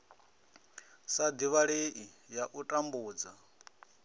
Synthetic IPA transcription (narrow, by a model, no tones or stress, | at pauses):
sad̪iβaɺeʔijaʔutʼambuːd͡za